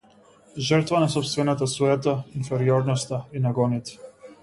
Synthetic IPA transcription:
ʒərt̪vanɛsɔpst̪vɛnat̪asuɛt̪ainfeɾioɾnost̪ainɛɡonit̪

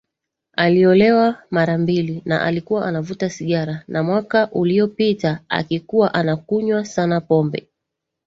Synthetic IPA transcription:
aliɔlɛwamaɾambilina̰ʔa̰likuwaʔanavutasiɠaɾanamwakaʔuliɔpitaa̰kikuwaʔanakuɲwasanapɔmbɛ̰

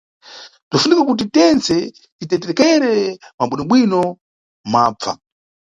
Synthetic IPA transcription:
tafunikakut̬itɛnt͡sɛ | titɛtɛɾɛkɛɾɛmaɓwinɔɓwinɔ | maːb͡va̰

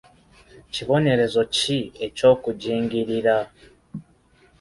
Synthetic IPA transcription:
ciβo̞ne̞ɾe̞zo̞cie̞co̞ːkuɟiːŋɡiɾiɾa

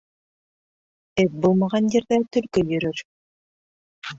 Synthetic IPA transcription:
ɛp̚bulˠmɑʁɑnjĕɾðæt̪ɵ̆lkɵjɵ̆ɾɵɾ

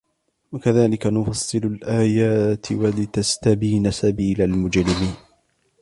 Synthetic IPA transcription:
wakaðaːlɪkanʊfɑsˤːɨlʊlʔaːjaːt̪ɪwalɪt̪ast̪abiːnasabiːlalmʊd͡ʒlɪmiːn

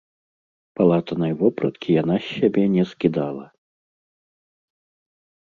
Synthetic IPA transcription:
palˠat̪ɐnɐjvɔpɾɐ̰t̪kʲʰijan̪asʲːabʲɛnʲɛskʲid̪alˠɐ̰

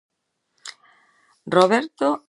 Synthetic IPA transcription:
roβeɾt̪o

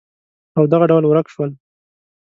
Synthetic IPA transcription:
awd̪aɣaɖawlwɾakʃwəl

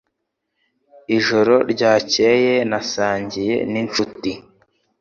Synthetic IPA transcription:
iʒo̞ɾo̞ɾɟaːce̞ːje̞nasaːɲɟije̞̰nint͡ʃuti

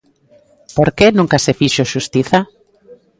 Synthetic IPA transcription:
poɾkenũŋkasefiʃoʃust̪iθa

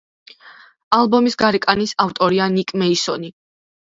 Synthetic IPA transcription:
alˠbɔmisɡaɾikʼanisaft̪ʼɔɾianikʼmɛisɔni

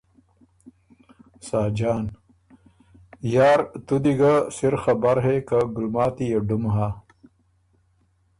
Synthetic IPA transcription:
saːd͡ʑaːn | jaːɾt̪ud̪iɡasiɾxɐbaɾɦekaɡulmaːt̪ijeɖumɦaː

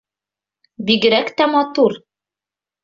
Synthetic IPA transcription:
biɡɘ̆ɾækt̪æmɑt̪uɾ

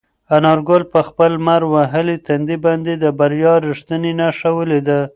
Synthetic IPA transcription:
anɑɾɡolpəxpəlmaɾwaɦəlit̪and̪ibɑnd̪ed̪əbaɾjɑɾiʂt̪ənenaʃawəled̪a

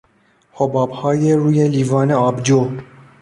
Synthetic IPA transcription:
hobɑːphɑːjerujɛlivɑːnɛɑbd͡ʒo

